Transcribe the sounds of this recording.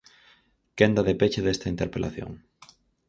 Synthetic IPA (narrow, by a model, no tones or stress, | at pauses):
kend̪ɐðepet͡ʃeðest̪ɐint̪eɾpelʔa̰θjo̰ŋ